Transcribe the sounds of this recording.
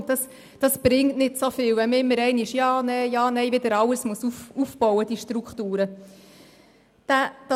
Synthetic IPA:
dɑs | d̥ɑsb̥ɾɪŋtnɪtsofɪlvɛməɪmːəɾɛɪnɪʃjɑːnɛjɑːnɛɪvɪd̪əɾɑləsmusufufb̥ɔʊwəd̥iʃtɾukχtuːɾə | d̥æd̥ɑ

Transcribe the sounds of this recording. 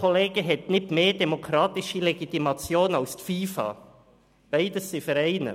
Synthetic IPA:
kʰoleːɡəɦɛtnɪtmeːdemokʰɾɑːt̪ɪʃəleɡit̪imɑt͡sjoːnɑʊst̪fiːfɑ̰ | b̥æɪdəsːɪfəɾɛɪnə̰

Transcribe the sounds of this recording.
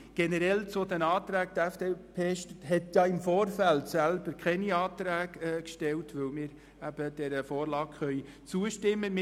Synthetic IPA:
ɡ̥ɛnəɾɛlt͡sod̪ɛnɑːt̪ɾæːk̚d̪æfd̥eːpʰeːʃtəthɛt̪jɑːɪmfoːrfælt̪sælb̥əɾkʰχɛniɑːt̪ɾæːɡɛːkʃtɛltʋɵlmɪːɾ | æb̥əd̥ɛɾəfoːrlɑːkχœj | t͡suəʃtɪmːəmɪ

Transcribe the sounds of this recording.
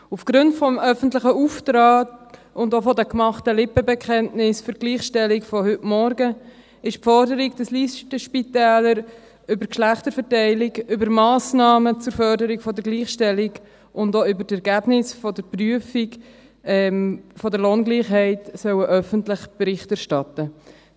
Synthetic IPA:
ufɡ̥ɾʊntfɔmœfəntlɪχəuːftɾɑːt | ʊndofɔdɛkmɑχtəlɪpəbɛkʰχɛntnɪsfʏɾɡ̥liːχʃtɛlɪkfɔhʏtmɔɾɡə | ɪʃpfɔɾdəɾiɡd̥əsliːstəʃpitɛːləɾ | ʏbəɾkʃlæχtəɾfəɾtɛɪlɪɡʏbəɾmɑːsnɑːmət͡sʊɾfœɾdəɾikfɔdəɾɡliːχʃtɛlɪɡ | ʔʊndoʏbəɾtɛɾɡæb̥nɪsfɔdəɾpryəfik | ɛmfɔdəɾloːnɡliːχɦɛɪtsœwəʔœfəntlɪχb̥əɾɪχtæɾʃtɑtə

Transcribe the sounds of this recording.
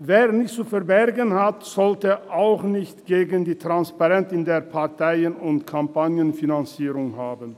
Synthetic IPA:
veːɐnɪçtt͡sufɛɐbɛʁɡənhatz̥ɔltəʔaʊxnɪçtɡ̥eːɡəndiːtʁ̥anspaʁɛntɪndeːɐpʰaʁtʰaɪənʊntkʰampanjənfinant͡siːʁʊŋhaːbən

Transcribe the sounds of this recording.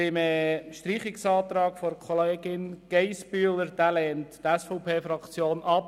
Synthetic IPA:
ɪmɛʃtriːχɪksɑːt̪ɾɑːkfɔɾkʰχɔleːɡɪnɡ̥ɛɪspyːləɾd̥̪æːlɛːnttɛsfɔʊpʰeːfɾɑkt͡sjoːnʔɑp̚

